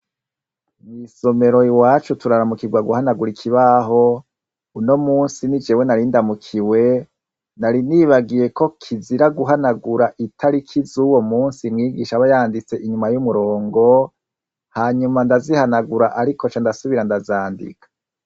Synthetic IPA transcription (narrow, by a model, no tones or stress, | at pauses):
miso̞me̞ɾo̞iwaːt͡ʃutuɾaɾamukiɡwaɡuhanaɡuɾikʰiβaɦo̞ | uno̞muːnsinid͡ʒewenaɾindamukʰiwe̞ | naɾiniːβaɡije̞ko̞kʰiziɾaɡuɦanaɡuɾaʔitʰaɾikʰizuwo̞muːnsimŋiːɡiʃaβajaːndit͡se̞ʔiɲumajumuɾo̞ːŋɡo̞ | haːɲumandazihanaɡuɾaʔaɾikot͡ʃandasuβiɾandazaːndḭkḁ